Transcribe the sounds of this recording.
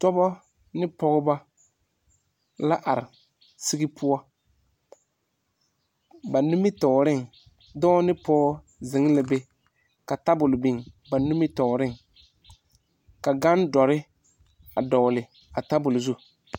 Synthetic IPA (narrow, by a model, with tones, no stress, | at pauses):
tɔ˦bɔ˦ | nɪ˦pɔ˦ɣɪ˦ba˦ | la˦ʔa˨ɾɪ˨ | si˦ɡɪ˦pʰʊ˦a˦ | ba˨nu˦mɪ˦tɔ˨ɾɪ˦˨ŋ | dɔː˦nɪ˦pɔː˦ | zɪ˨˦ŋ˦lɪ˨be˦ | ka˨ta˦bʊ˨lbi˨ŋba˨nu˦mɪ˦tɔ˨ɾɪ˦ŋ | ka˨ɡa˦ndɔ˨ɾɪ˦ | a˨dɔ˨lɪ˨ | a˨ta˦bʊ˨lzu˦